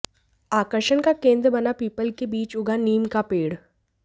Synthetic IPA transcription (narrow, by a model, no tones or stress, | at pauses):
aːkəɾʃənkakẽːnd̪ɾəbɐnapiːpəlkebiːt͡ʃʊɡaniːmkapeːɽ